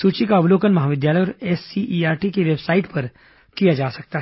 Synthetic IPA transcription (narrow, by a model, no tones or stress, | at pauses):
suːt͡ʃikaʊbloːkənmɐɦaːʋɪd̪jaːləjɔːɾɛːsiʔiːaːɾʈikeʋebsaːɪʈpɐɾ | kijad͡ʒaːsɐk̚t̪aɦ